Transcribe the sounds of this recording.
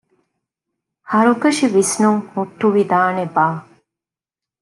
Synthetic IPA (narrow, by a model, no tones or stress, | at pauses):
hɐɾuɡɐʃiʋisnuŋhuʈːuʋid̪aːnebaː